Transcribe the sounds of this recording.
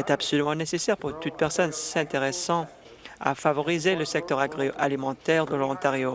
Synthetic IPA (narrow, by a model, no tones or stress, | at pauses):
ɛt̪absɔlymɑ̃nesesɛʁpuʁt̪ut̪̚pɛʁsɔnsɛ̃t̪eʁesɑ̃ | a̰favɔʁizeləsɛk̚t̪œʁaɡʁalimɑ̃t̪ɛʁd̪əlɔɔ̃t̪aʁjo